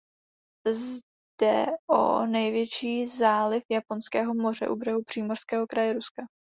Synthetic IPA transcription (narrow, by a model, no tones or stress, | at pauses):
z | d̥ɛ̰ʔo̰nɛjvjɛt͡ʃiːzaːlɪfjapo̞nskɛːɦo̞mo̞r̝ɛ̰ʔubrɛɦupr̥iːmor̥skɛːɦo̞kɾajɛɾuska